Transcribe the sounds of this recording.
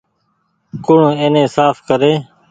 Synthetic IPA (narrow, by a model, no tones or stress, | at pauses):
kʊɳẽːnẽːsaːfkəɾeː